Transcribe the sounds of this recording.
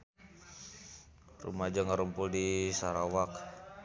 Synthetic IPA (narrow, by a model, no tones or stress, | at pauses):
rṵmad͡ʒaŋaɾumpʊldisaɾawak̚